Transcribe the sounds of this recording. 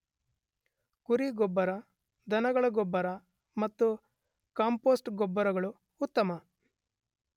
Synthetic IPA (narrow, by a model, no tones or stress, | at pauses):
kuɾiɡɔbːɐɾɐ | d̪ɐnɐɡɐɭɐɡɔbːɐɾɐ | mɐt̪ːu | kaːmpoːsʈɡɔbːɐɾɐɡɐɭuː | t̪ːɐmɐ